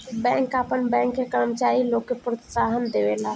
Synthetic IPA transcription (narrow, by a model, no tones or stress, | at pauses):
bɛ̃ːŋkaːpənbɛ̃ːŋkːekəɾəmt͡ʃaːɾiloːkːepɾət̪saːɦənd̪eʋelaː